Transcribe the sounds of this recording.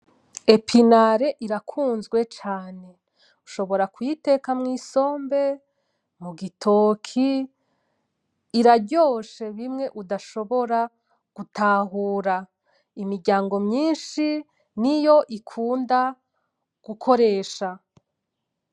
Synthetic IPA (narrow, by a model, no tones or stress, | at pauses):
epʰinaɾe̞ʔiɾakʰuːnzɡwe̞t͡ʃaːne̞ | uʃo̞βo̞ɾakujite̞kamŋiːso̞ːmbe̞ | muɡitʰo̞ːkʰi | ɾaɟo̞ːʃe̞βimŋe̞ʔudaʃo̞βo̞ɾa | ɡ̥utʰaɦuːɾa | imiɾɟaːŋɡo̞mɲiːnʃi | nijo̞ʔikʰuːnda | ɡ̥ukʰo̞ɾe̞ːʃa